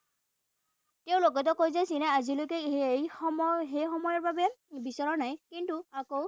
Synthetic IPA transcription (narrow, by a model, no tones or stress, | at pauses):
tewlokɔtɔkojzasinɛazilokejɔmɦejxɔmɔjɔɹbabebisɔɹɔnajkintuakow